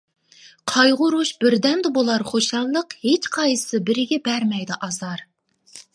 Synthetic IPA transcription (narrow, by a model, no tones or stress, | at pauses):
qʰɑjʁʊɾuʃb̥ɪɾd̪ɛmd̪ɛbolˠɑɾχoʃɑnˠlˠəqhet͡ʃqʰɑjɨ̥sɨbɪɾɪɡʲɛbɛɾmɛjd̪ɪʔɑzɑɾ